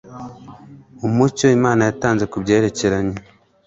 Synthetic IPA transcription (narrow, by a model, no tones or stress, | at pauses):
omuco̞imaːnajataːnze̞kubɟe̞ːɾe̞ce̞ɾaɲe